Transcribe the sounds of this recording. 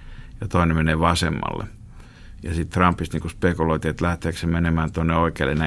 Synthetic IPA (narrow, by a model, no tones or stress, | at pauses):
jɑt̪oˑinemeneːʋɑsḛmːɑ̰lːḛ | jɑsit̪t̪rɑmpːist̪niːŋkuspekuloit̪iet̪læht̪eːksemmenemæːnt̪onːeoikḛˑlːḛnæ